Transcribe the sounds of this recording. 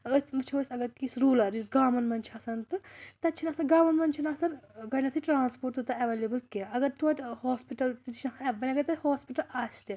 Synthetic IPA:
əmɨt͡ʃʰoːsɐɡɐɾkisɾuːlɐɾisɡaːmɐnmɐnʲt͡ʃʰɐsɐnt̪ɨt̪ɐt͡ʃʰinaːsɐnɡaːmɐnmɐnt͡ʃʰinaːsɐnɡɐnɐt̪ʰiʈɾaːnspoːɾʈt̪ːt̪ɐɐʋeːlʲeːbɨlkeɐɡɐɾt̪uɐʈʲhoːspiʈɐlt̪it̪it͡ʃʰʲnɐkɐnɐbɐnʲaɡɐt̪ɐhoːspiʈɐlaːsʲt̪i

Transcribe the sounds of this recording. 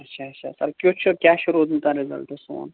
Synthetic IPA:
ɐtːʃʰaɐʃʰa̰sɐ̰ɾkjoːt͡ʃʰʊɾkjaːʃʊɾud̪nt̪aɾɪzɐ̰lt̪ɐso̰ːn

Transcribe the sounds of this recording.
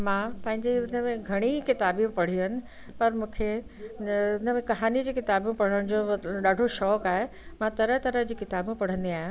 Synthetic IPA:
mãpɐ̃ɦɪ̃ɲd͡ʑeʊnəmẽɡʱɐɽ̃ikɪt̪aːbjũpɐɽ̤iɦənɪ̆ | pɐɾmũːkʰe | ʊnəmẽkɐɦaːnid͡ʑiːkɪt̪aːbjũpɐɽ̤əɽ̃d͡ʑoːɗaːɖʱoʃɔːkaːɦe | mãt̪ɐɾət̪ɐɾəɦd͡ʑiːkɪt̪aːbũpɐɽ̤ə̃nd̪iaːɦjũ

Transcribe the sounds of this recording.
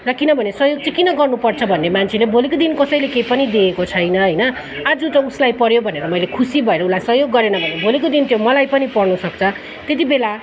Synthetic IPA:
rʌkinʌbʱʌnesʌɦjoɡ̚t͡sʌkinʌɡʌrnupʌrt͡sʰʌbʱʌnːemant͡sʰelebʱolekod̪inkʌsʌjlekejpʌnid̪eːkot͡sʰʌjnʌɦʌjnʌ | ad͡zut̪ʌuslajpʌɾjobʱʌneɾʌmʌjlekʰusibʱʌeɾʌulajsʌɦjoɡːʌɾenʌbʱʌnebʱolekod̪int̪jomʌlajpʌnipʌrnusʌkt͡sʰʌ | t̪et̪̬ibela

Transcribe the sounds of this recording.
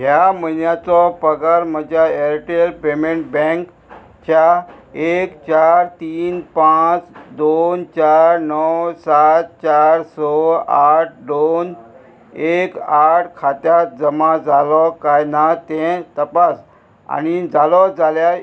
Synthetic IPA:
ɦjamənjat͡sɔpəɡəɾm̤əd͡ʑʱaeɾʈelpemeɳʈbɛ̃ŋk | t͡ɕjaekt͡ɕaɾt̪iːnpãt͡sd̪ont͡ɕaɾnəwsat̪̚t͡ɕaɾsɔaʈ̚ʰd̪on | ekaʈʰkʰat̪jat̪̚d͡zəmad͡zalɔkajnat̪ɛ̃t̪əpas | a̰nid͡zalɔd͡zalja

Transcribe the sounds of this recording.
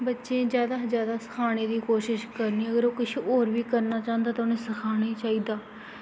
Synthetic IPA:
bətːʃẽːd͡ʒjaːd̪aːzjaːd̪aːsə̥kʰaːɽ̃eːd̪iːkoːʃɪʃkəɾniːəɡəɾoːkɪt͡ʃʰːoːɾʋiːkəɾnaːt͡ʃãːnd̪aːt̪ːʊnẽːsəkʰaːɽ̃eːt͡ʃaːiːd̪aː

